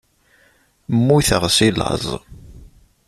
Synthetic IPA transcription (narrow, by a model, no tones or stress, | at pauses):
mːuθəʁsilə̰zˤ